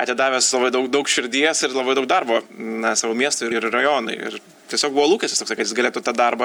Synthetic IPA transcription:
ɐt̪ʲɪd̪ɑːʋʲeːslˠɐbɐɪd̪ɐʊkd̪ɐʊkʃʲɪɾʲd̪ʲiɛsɪɾlˠɐbɐɪdɐʊk̚d̪ɐrboːnɐsɑːʋoːmʲiɛst̪ʊɪɪɾrɐjoːnɐɪɪ̰ɾ | t̪ʲiɛsʲoːk̚buʋoːlˠuːkʲɛsʲt̪ʲɪst̪oksɐɪkɐtjɪsɡɐlʲeːt̪ʊt̪ɐd̪ɐrbɐ

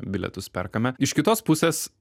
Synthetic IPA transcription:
bʲɪlʲɛ̰t̪ʊspʲɛ̰rkɐmʲɛɪʃkʲɪt̪oːspʊsʲeːs

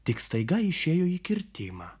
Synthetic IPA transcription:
t̪ʲɪkst̪ɐɪɡɐɪʃʲeːjoːiːkʲɪɾʲt̪ʲɪːmɑː

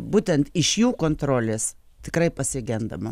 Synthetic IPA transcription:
buːt̪ʲɛnt̪ɪʃjuːkoːnt̪ɾoːlʲeːs | t̪ʲɪkɾɐɪpɐsʲɪɡʲɛnd̪ɐ̰mɐ

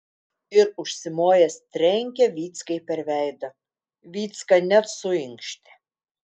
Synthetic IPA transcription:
ɪɾʊʃʲsʲɪmoːjɛst̪ʲɾʲɛŋʲkʲɛʋʲiːt̪skɐɪpʲɛɾʲʋʲɛɪd̪ɐ | ʋʲiːt̪skɐnʲɛt̪sʊɪŋkʃʲt̪ʲɪ̥

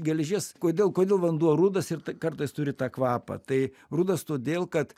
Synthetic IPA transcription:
ɡʲɛlʲʒʲeskoːd̪ʲeːlˠkoːd̪ʲeːlˠʋɐnd̪uɔɾuːd̪ɐsɪrt̪ɐkɐrt̪ɐɪst̪ʊɾʲɪt̪ɑːkʋɑːpɐ̰t̪ɐɪ | ruːd̪ɐst̪oːd̪ʲeːlˠkɐt̪

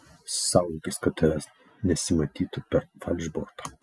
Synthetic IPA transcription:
sɑʊlkʲɪskɐt̪ɐɾʲɛs | nʲɛsʲɪmɐt̪ʲiːt̪ʊpʲɛɾfɐlʲʒbɔɾt̪o̥

